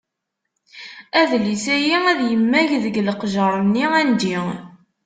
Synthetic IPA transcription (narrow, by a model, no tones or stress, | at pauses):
æðlisæjiæðjəmːæʝðəɡləqʒəɾˤənːiænd̪i